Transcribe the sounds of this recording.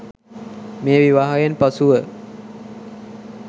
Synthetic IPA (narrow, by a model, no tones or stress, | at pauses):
meːʋiʋaɦajenpasuʋə